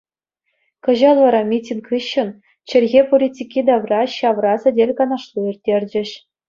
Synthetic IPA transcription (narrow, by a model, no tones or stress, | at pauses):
kɤ̆ʑɑlˠʋɑɾɑmʲitʲinkɯɕːɤ̆n | t͡ɕɘ̆lʲɣʲepolʲitʲikʲːid̪ɑʋrɑɕɑʋrɑsɘ̆dʲelʲkɑnɑʂlˠuirʲtʲːerʲd͡ʑɘ̆ɕ